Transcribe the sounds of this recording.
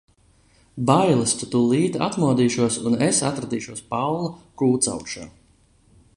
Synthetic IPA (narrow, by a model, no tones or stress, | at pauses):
bajlˠist̪ut̪uːlˠiːt̪a̰t̪muɔd̪iːʃuɔsunesat̪ɾad̪iːʃuɔspawlˠakuːt̪sa̰wkt͡ʃa̰ː